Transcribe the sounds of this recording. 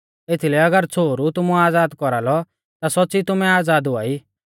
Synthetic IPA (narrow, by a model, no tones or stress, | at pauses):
et̪ʰilɛɐɡəɾt͡sʰoːɾut̪ʊmũaːd͡zaːd̪kɔɾalɔ | t̪asɔtːt͡sit̪ʊmɛaːd͡zaːd̪ɦʊa̰ːiː